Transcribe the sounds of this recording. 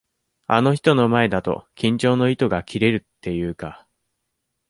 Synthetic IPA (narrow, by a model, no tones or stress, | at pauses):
ano̞çi̥t̪o̞no̞mae̞d̪at̪o̞̰kʲĩɲ̟t͡ɕo̞ːno̞it̪o̞ɡakʲʰiɾe̞ɾɯ̟t̪ːe̞jɯ̟ːka